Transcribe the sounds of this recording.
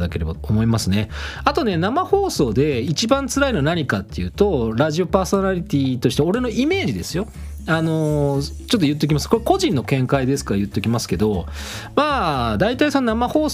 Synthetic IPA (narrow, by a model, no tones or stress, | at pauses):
d̪ake̞ɾe̞ba̰t̪oomo̞imasɨne̞at̪o̞ne̞namaho̞ːso̞ːd̪e̞it͡ɕibãnt͡sɨɾaino̞naɲ̟ikat̪ːe̞jɯ̟ːt̪o̞ɾaʑio̞paːso̞naɾʲit̪ʲit̪o̞ɕi̥t̪eo̞ɾe̞no̞ʔime̞ːʑid̪e̞sɨjo̞ | ano̞ | t͡ɕot̪ːojɯ̟t̪ːe̞ik̬ʲimasɨ̥ko̞ɾeko̞ʑĩnːo̞kẽ̞ŋkaid̪e̞sɨ̥kaɾajɯ̟t̪ːe̞ikʲimasɨ̥ke̞d̪o̞ | maːd̪ait̪aisononamaho̞ː